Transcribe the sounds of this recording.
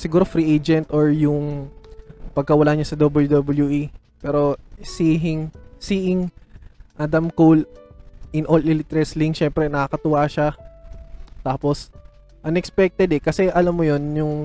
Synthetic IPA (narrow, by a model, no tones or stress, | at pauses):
sɪɡuːɾofɾiʔejd͡ʒɛnt̪oɹjʊŋ | pɐɡ̚kɐwɐlaɲasɐd̪obɐljud̪obɐljuʔi | pɛːɾo̞siːɦɪŋsiːʔɪŋ | ʔɐd̪ɐmkol | ɪnʔolɪlɪt̪ɾɛsliŋʃɛmpɾɛnɐkɐkɐt̪ʊwaʃa | t̪aːpos | ʔɐnɛkspɛk̚t̪ɛd̪ɛkɐsɛʔɐlamːojonjʊŋ